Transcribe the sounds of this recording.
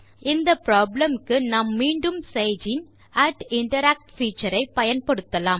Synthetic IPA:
ɪnd̪ɐpɾaːblɐmkɯnɐmːiːɳɖɯmseɪd͡ʒɪn | ɐʈɪɳʈɐɾaːk̚ʈfiːt͡ʃːɐɾɐɪpɐjɐnpɐɽɯt̪ːɐlaːm

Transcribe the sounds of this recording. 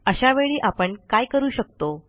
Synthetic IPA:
əɕaʋeɭiːʔapəɳkajkəɾuːɕək̚t̪o

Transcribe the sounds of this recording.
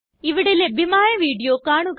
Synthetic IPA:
ɪʋɪɽelebɪmaːjẽʋiːɖijokaːɽ̃ũk

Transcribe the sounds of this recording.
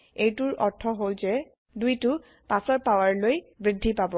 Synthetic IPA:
ejtʊɹɔɹtʰɔɦolzɛ | dujtʊ | pasɔɹpawaɹlojbɹidʱːipabɔ

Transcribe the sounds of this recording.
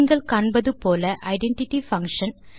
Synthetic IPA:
ŋɡɐɭkaːɳbɐðɯpoːlɐʔɐɪɖɛɳʈɪʈːifɐŋkʂɐn

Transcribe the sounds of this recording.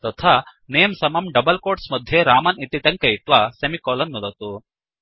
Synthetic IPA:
t̪ɐt̪ʰaneːmsɐmɐmɖɐbɐlkoːʈsmɐd̪ʱjeɾaːmɐnit̪iʈɐŋkɐjit̪ʋasɐmikoːlɐnːud̪ɐt̪u

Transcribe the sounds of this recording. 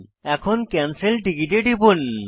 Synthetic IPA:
ɛkʰonkɛnselɖiɡiʈeɖibun

